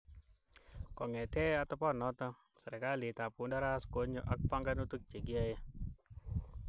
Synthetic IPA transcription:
kɔ˨ŋɛ˨t̪ɛ˦at̪ɔ˦pɔ˦nɔ˦t̪a | sa˨ɾɛ˨kali˨t̪a˨punda˦ɾaskoɲoʔak̚paŋɡanut̪u˦k̚t͡ʃe˨ɡi˦aje

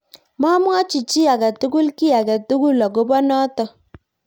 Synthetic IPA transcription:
ma˦mwa˦t͡ʃi˨t͡ʃi˦a˨ka˨tu˦ɡu˦lki˦a˨ka˨tu˦ɡu˦la˨k̬o˦bɔ˦nɔ˦tɔ˨

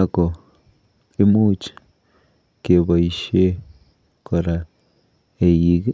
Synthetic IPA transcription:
ako˨ | e˦mu˦t͡ʃi̥ | ke˨βo˨i˨ʃe˦ | kʰo˨ɾa˨ | e˨ji˦k

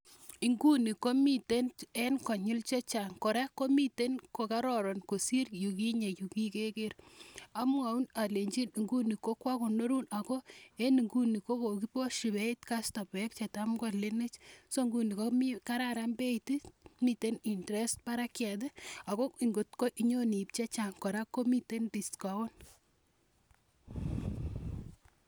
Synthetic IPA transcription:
i˨ŋɡu˦ni˨ko˦mi˦te˦ne˦nkɔ˨ɲu˦lt͡ʃe˦t͡ʃa˨ŋko˨ɾa˦ko˦mi˦te˦nko˨ka˦ɾɔ˨ɾo˨nko˨si˦rju˨k̬i˦ɲe˨ju˨ki˦ke˦ke˦ra˦m˦a˨u˦na˨le˨ɲt͡ʃi˦ni˨ŋɡu˦ni˨ko˦kwa˦ko˨no˦ɾu˦na˨ko˦e˦ni˨ŋɡu˦ni˨ko˦ko˨ki˦po˦ʃi˨bɛ˦itka˦sto˨bɛk̚t͡ʃe˨ta˦mɡɔ˦le˦ne˦t͡ʃso˦ŋɡu˦ni˨ko˦mi˦ka˦ɾa˦ɾa˦mbe˦iti˦mi˨te˦ni˨ntɾe˦st̚pa˦ɾa˦kjɛ˨t̬e˦a˨ko˦i˨ŋɡo˨tko˦ʔi˦ɲo˦ni˨p̚t͡ʃe˦t͡ʃa˨ŋkɔ˨ɾa˦kːo˦mi˦te˦ndi˨ska˨wɔ˦n

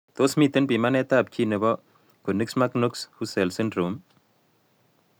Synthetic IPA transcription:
t̪o˦smi˦t̪e˦npi˨ma˦nɛ˦t̪a˦˨p̚t͡ʃi˦ne˨bɔ˦ | ko˨ni˦ksma˦knu˦kshu˦sɛ˨lsi˦ndɾu˨m

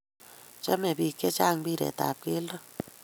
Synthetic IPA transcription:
t͡ʃa˦me˨βi˨ke˦t͡ʃa˦˨ŋbi˦ɾḛ˨ta̰˨pe˦lo˦

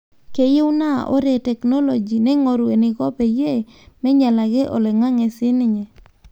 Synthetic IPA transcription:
ke˨˦je˦ʊ˦na̰˦˨ʔɔ̰˦ɾe˨tɛ˨kno˦lo˨d͡ʒi˨nɛ˦ŋo˨ɾu˨e˨nɪ˨kɔ˦pɛ˨je˦˨ | mɛ˦ɲa˨la˨ɡɛ˦ʔɔ̰˨lɛ˨ŋa˦ŋɛ˨sɪ˦nɪ˦ɲɛ˨

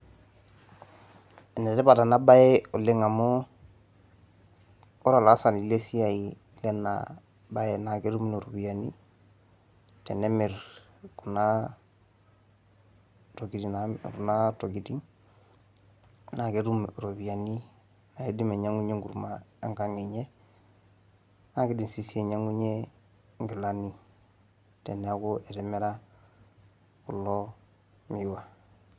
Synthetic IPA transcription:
e˨ne˨te˦pa˨ta˨na˦ba˦jɛ˦o˨le˦ŋa˨mo˦ | o˦ɾa˨la˨˦sa˨ni˨le˦si˦a˨i˨ | le˦na̰ | ba˦je˨na˨ke˦ɾu˦mi˦no˨ɾo˨bi˨a˨ni˦ | te˨ne˦me˨ɾ | ku˨na | to˨ɡi˨tinaɾu˨na˦to˨ɡi˨ti˦ŋ | na˨ke˦ɾu˦mɾo˨bi˨a˨ni˦ | na˨e˦di˦me˨ɲa˦ŋu˦ɲe˦ŋɡu˨ɾma˦e˦ŋɡa˦ŋe˨ɲe˦ | na˨ki˦di˨nsi˦˨si˦e˨ɲa˦ŋu˦ɲe˦ | ŋɡi˨la˨ni˦ | te˨ne˨˦a˦ko˦e˨te˨me˦ɾa˦ | ku˨lo˦ | mi˨wa˦

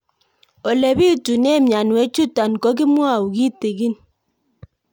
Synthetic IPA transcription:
o˨le˨bi˦˨tu˨ne˦˨mja˨nwe˦t͡ʃu˦ta˨n˨kɔ˦k̬i˦mwa˦˨u˨ki˦te˨ɡi˦n

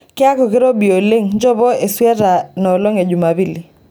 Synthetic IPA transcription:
kɪ˦a˦kɔ˨kɪ˦ɾo˦bi˨o˨lɪ˦ŋd͡ʒɔ˦bɔ˦e˨swjɛ˦ɾa˨nɔ˨lo˦ŋe˨d͡ʒu˨ma˨bi˦li˨

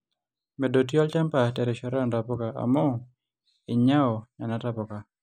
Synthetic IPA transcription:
mɛ˨do˨t̬jɔ˦ltɛ˦mpa˨tɛ˨ɾɛ˨ʃɔ˦ɾa˦nda˨pɔ˦ka˨a̰˨mɔ˦ | ɪ˨ɲa˦ɔ˨ɲa˨na˦ta˦pɔ˨ka˨

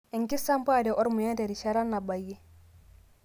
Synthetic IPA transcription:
ɛ˨ŋki˦sa˦mpa˦˨dɛ˨ʔɔ˦ɾmu˨ja˦nde˨ɾi˨ʃa˦ɾa˦nːa˨ba˨jːɛ˦

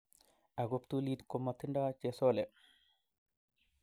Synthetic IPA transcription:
a˨ɡo˨pt̪u˦li˦d̪ko˨mːa˨t̪i˦nda˦t͡ʃe˨so˦le˨

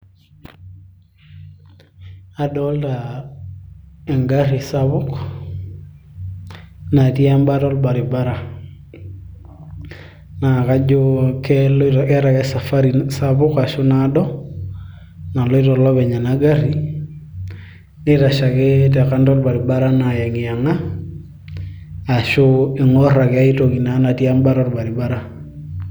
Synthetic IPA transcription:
a˨dɔlta | ɛ˨ŋɡaɾi˨saβʊk | na˨ti˦a˦mbatɔ˦lba˨ɾi˨ba˦ɾa˨ | na˨ka˦d͡ʒukɛlkɛɾa˨kɛsa˨fa˦ɾisa˦bʊ˦ka˨ʃʊ˦nadɔ˦ | na˨lɔ˦i˦tɔ˨lɔ˦bɛ˨ɲa˨na˦ɡa˦ri˨ | nɪ˦ta˨ʃa˨kɛ˦tɛ˨ka˦ndɔ˦lba˨ɾi˨ba˦ɾa˦na˨jɛ˨ŋi˨ja˨ŋa˦˨ | ʃʊ˦ɪ˨ŋɔ˦ra˨kɛ˦a˦i˦to˨ki˨na˨˦na˨ti˦a˦mba˦ɾɔ˦lba˨ɾi˨ba˦ɾa˨

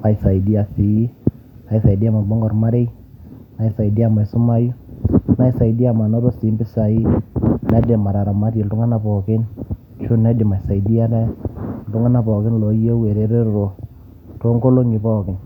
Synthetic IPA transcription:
a˨ɪ˨sa˨i˨di˦a˨si˨i˦ | na˨i˨sa˨i˨di˦a˦ma˨bɔ˦ŋɡɔ˨rma˦ɾe˦j | na˦i˦sa˨i˨di˦a˨ma˨sʊ˦ma˦ju˦na˦i˦sa˨i˨di˦a˨ma˨na˦ɾo˦si˨˦mbɪ˦sa˨i˦nɛ˦dɪ˨ma˨ɾa˨ɾa˨ma˦ɾje˨ltʊ˦ŋa˦na˨pɔ˨kɪ˦n | t͡ʃʊ˦nɛ˦di˨ma˨sa˨i˨di˦a˦nɛ˦ltʊ˦ŋa˦na˨pɔ˨kɪ˦nlɔ˨˦jo˦we˨ɾe˨ɾe˦ro˨ | to˦ŋɡo˦lo˦ŋɪ˨pɔ˦kɪ˨n

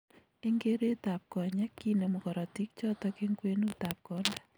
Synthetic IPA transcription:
e˦ŋɡe˦ɾe˦ta˨p̚kɔ˨ɲɛ˦kːi˦ne˨mu˨kɔ˨ɾɔ˨ti˦k̚t͡ʃɔ˦tɔke˦ŋɡwe˦nu˦ta˨p̚kɔ˦nda˦

